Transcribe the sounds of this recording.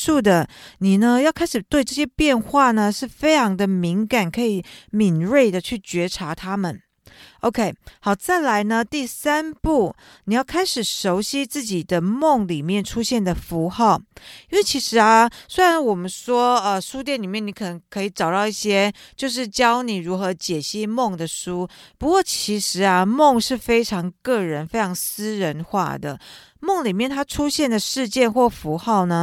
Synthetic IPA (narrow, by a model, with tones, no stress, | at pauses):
u˥˩d̪ə˩ni˨˩nə˦jɑ˥˩˧kʰa˥ɪʂɻ̩˨˩t̪we˥˧ɪʈ͡ʂɤ˥˧˩ɕjɛ˥pjɛ˥˧nxwa˥˩nə˩ʂɻ̩˥˩fe˥ɪʈ͡ʂʰɑ˧˥ŋd̪ə˧mi˧˥ŋka˨˩nkʰɤ˧˥i˨˩˦mi˨˩nɻe˥˩ɪd̪ə˩t͡ɕʰy˥˩t͡ɕɥɛ˧˥ʈ͡ʂʰa˧˥t̪ʰa˥mə˨n | o˧˥ʊkʰe˥ɪxɑ˨˩ʊt͡sa˥˩ɪla˧˥ɪnə˧t̪i˥˩sa˥npu˥˩ | ni˨˩jɑ˥˩ʊkʰa˥ɪʂɻ̩˨˩ʂo˧˥ʊɕi˥t͡sɹ̩˥˩t͡ɕi˨˩d̪ə˦mo˥˩ŋli˨˩mjɛ˥˩nʈ͡ʂʰu˥ɕjɛ˥˩nd̪ə˩fu˧˥xɑ˥˩ʊi˥nwe˥˩t͡ɕʰi˧˥ʂɻ̩˧˥a˧swe˥ɪɻa˧˦nwɔ˨˩mə˦nʂwɔ˥ə˧ʂu˥t̪̬jɛ˥˩nli˨˩mjɛ˥˩ni˧˥kʰɤ˨˩nə˧˦ŋkʰɤ˧˥i˨˧˩ʈ͡ʂɑ˨˩ʊt̪ɑ˥˧ʊi˥˩ɕjɛ˥t͡ɕjo˥˧ʊʂ̬ɻ̩˥˩t͡ɕjɑ˥ʊni˨˩ɻu˧˥xɤ˧˦t͡ɕjɛ˨˩ɕi˥˩mo˥˩ŋd̪ə˩ʂu˥pu˧˥kwɔ˥˩t͡ɕʰi˧˥ʂɻ̩˧˥˦ɐ˧mo˥˧ŋʂɻ̩˥˩fe˥ɪʈ͡ʂʰɑ˧˥ŋkɤ˥˩ɻə˧˦nfe˥ɪʈ͡ʂʰɑ˧˥ŋs̩˥ɻə˧˦nxwa̰˥˩d̪ə̰˩ | mo˥˨ŋli˨˩mjɛ˥˩nt̪ʰa˥ʈ͡ʂʰu˥ɕjɛ˥˩nd̪ə˩ʂɻ̩˥˧t͡ɕjɛ˥˧nxwɔ˥˩fu˧˥xɑ˥˩ʊnə˩